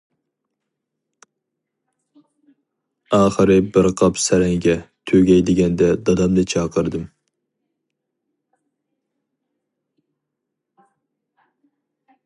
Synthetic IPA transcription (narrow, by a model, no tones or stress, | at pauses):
ɑːχəɾɨbɨɾqʰɑpsɛɾɛŋɡʲɛt̪ʰøɡʲɛjd̪ɪɡʲɛnd̪ɛd̪ɑd̪ɑmd̪ɨt͡ʃʰɑːqʰəɾd̪ɨm